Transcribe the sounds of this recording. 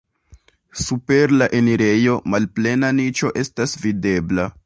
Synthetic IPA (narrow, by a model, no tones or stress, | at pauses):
supe̞ɾlaʔe̞niɾe̞jo̞malple̞nanit͡ʃo̞ʔe̞stasvide̞bla